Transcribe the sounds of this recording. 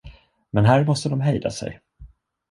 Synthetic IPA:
mɛnɦæːɾmɔst̪əd̪ɔmɦɛjd̪a̰sɛ̰j

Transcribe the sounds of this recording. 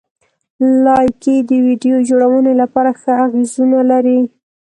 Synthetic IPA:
lɑjked̪əwiɖijod͡ʒoɽawənelapɑɾaxəaɣezunalaɾi

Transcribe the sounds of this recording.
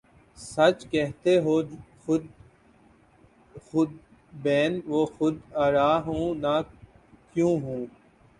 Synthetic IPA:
sɐt͡ʃkɛɦt̪eɦoːxʊd̪ | xʊd̪̚ | beːnʋoːxʊd̪aːɾaːɦũːna | kjũːɦũː

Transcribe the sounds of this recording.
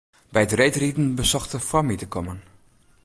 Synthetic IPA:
bɛjətrejtritn̩bəsɔxtəfwɔmitəkʰɔmən

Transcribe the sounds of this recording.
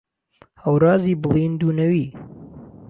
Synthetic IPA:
həwɾɑːziːbɨlˠiːnd̪uːnɐwiː

